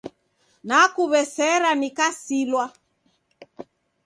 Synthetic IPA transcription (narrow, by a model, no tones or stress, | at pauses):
nakuβɛsɛɾanikasilwa